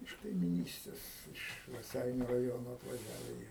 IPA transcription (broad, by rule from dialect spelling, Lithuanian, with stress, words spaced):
ɪʃ kɐɪmʲɪˈnʲiːsʲtʲeːs ɪʃ rɐˈsʲɛɪnʲʊ rɐˈjoːnoː ɐtʋɐˈʒʲæːʋʲɛ jiɛ